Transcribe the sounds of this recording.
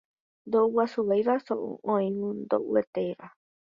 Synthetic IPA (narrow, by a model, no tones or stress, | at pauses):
nd̪ouwasuβajɾasoʔṵõĩβũnd̪o̰ʔṵet̪eiɾa